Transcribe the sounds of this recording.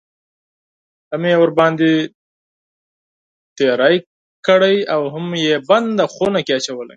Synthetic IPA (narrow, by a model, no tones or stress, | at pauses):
hamjewəɾbɑnd̪i | t̪eɾaj | kəɽəjawɦʊmjeband̪axonakeat͡ʃawəla̰j